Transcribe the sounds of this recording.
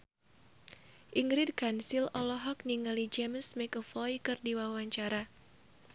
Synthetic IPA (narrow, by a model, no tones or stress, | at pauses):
ʔiŋɡɾid̚kansilɔlɔɦɔk̚niŋalid͡ʒɛməsmɛkəfɔjkɨrdiwawaɲt͡ʃaɾa